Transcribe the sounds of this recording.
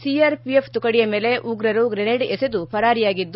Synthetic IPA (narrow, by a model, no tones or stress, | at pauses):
siɐɾpijepʰt̪ukɐɽijɐme̞ːle̞ʔuːɡɾɐɾuɡɾeneɖesed̪upʰɐɾaːɾijaːɡid̪ː